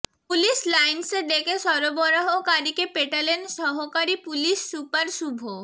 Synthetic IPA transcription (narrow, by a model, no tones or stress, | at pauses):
puliʃlajnsed̪ekʰeʃɔɾobɔɾaɦokaɾikepeʈalenʃɔɦokaɾipuliʃːupaɾsubʱo